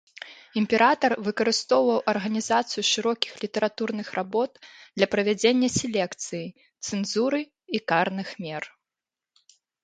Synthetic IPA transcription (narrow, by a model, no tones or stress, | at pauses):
imʲpʲɛɾʔat̪ɐrvɨkɐɾɨst̪ɔwvɐwʔɐrɣɐnʲizat̪sɨjuʂɨɾɔkʲi̥xlʲit̪ɐɾat̪urnɨxɾrʔabɔt̪̚d̪lʲɐpɾɐvʲad͡zʲenʲːɐsʲɛlʲɛkt̪sɨji | t̪sɨnzuɾɨ | ikarnɨxmʲɛr